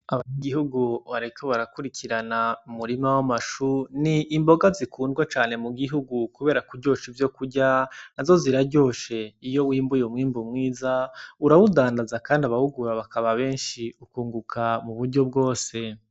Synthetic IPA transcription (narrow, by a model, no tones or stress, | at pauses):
aβaɲeɡihuɡuβaɾikoβaɾakuɾikʰiɾanaumuɾimawamaʃuniʔːmbo̞ɡazikʰuːndɡwat͡ʃaːne̞muɡiɦuɡukuβe̞ːɾakuɾɟo̞ːʃivjo̞kuɾɟaːzo̞ziɾaɟo̞ːʃe̞ijo̞wiːmbujomŋiːmbumŋiːzauɾawudaːndazakaːndiaβahuɡuɾaβakʰaβaβe̞ːnʃiukuːŋɡukʰamuβuɾɟo̞b̚ɡo̞ːse̞